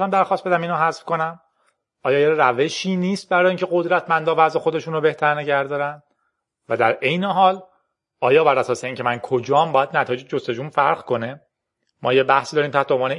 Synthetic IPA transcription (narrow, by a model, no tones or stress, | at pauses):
æmd̪æɾxɒːst̪be̞d̪æmiːnɑɦæzfko̞næm | ɒːjɒːjeræve̞ʃiːniːst̪̚bæɾɒːjiːŋcʰe̞ɣo̞d̪ɾæt̪ʰmænd̪ɒːvæzexo̞d̪e̞ʃunrobe̞ht̪ʰæɾneɟæɾd̪ɒːɾænd̪ | væd̪æɾʔe̞jneɦɒːl | ɒːjɒːbæɾæsɒːseiːcʰe̞mænkʰod͡ʒɒːmbɒːjæd̪næt̪ʰɒːjed͡ʒed͡ʒost̪e̞d͡ʒuːnfæɾʁkʰo̞ne | mɒːjebæhsid̪ɒːɾiːmt̪ʰæht̪eomvɒːne